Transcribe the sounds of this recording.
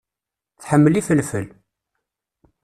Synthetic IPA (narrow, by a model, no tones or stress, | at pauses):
θħəmːəlifəlfəl